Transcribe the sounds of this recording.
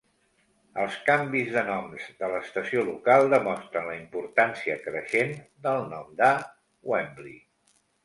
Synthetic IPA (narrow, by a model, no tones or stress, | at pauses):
əlˠskambizðənɔmzðələːst̪əsiolukalˠd̪əmɔst̪ɾənləimpuɾt̪ansiəkɾəʃend̪əlˠnɔmd̪a | wɛmblḭ